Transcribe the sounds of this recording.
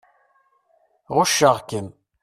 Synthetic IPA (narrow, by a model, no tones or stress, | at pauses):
ʁʊʃːəʁkən